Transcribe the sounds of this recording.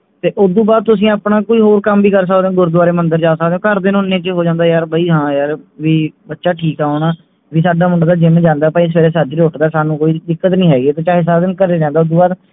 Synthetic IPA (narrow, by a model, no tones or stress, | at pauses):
t̪eːʔʊd̪ũːbaːd̪̚t̪ʊs̬ĩːaːpnaːkoːiːɦoːɾkəmbiːkəɾs̬əkd̪eõːɡʊɾd̪ʊaːɾeːmənd̪əɾd͡ʒaːsək̚d̪eːõːkəɾd̪eːnʊnːẽːt͡ʃɦoːd͡ʒãːnd̪aːjaːɾbəiːɦãːjaːɾʋiːbətːʃaːʈʰiːkaːʊɳaː | ʋiːsaːɖaːmʊ̃ɳɖaːd̪aːd͡ʒɪmd͡ʒãːnd̪aːpaiːs̬eːɾeːsəd͡ʒɾoːʈd̪aːsaːnũːkoːiːd̪ɪkːət̪nĩːɦɛːɡieːt̪õːt͡ʃaːɦes̬aːd̪ənkəɾeːɾɛ̃ːnd̪aːʊd̪ũːbaːd̪